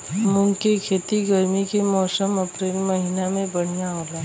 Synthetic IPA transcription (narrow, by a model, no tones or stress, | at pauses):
mʊ̃ŋɡkekʰeːt̪iɡəɾmikemɔːsəməpɾeːlmɐɦinamẽbəɽ̤ijaɦoːla